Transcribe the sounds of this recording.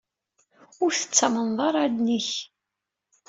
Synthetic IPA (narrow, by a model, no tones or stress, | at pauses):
ʊɾθə̥t͡sːamənðˤɑɾˤad̪niç